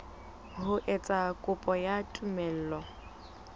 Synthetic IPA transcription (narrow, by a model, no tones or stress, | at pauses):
ɦʊʔɛt͡sʼakʼʊpʼɔjatʼumɛl̩ːlɔ